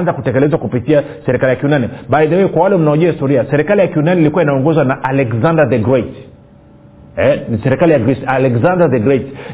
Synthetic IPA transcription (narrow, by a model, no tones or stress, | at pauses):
nzakutɛkɛlɛzwakupitia | sɛɾikalijakiunaniɓaiðawɛkwawalɛm̩naɔʄuahistɔɾiasɛɾikalijakiunanilikuainaɔŋɡɔzwanaʔalɛkzandaðɛɡɾɛt | ɛnsɛɾikalijaɡisalɛkzandaðɛɡɾɛt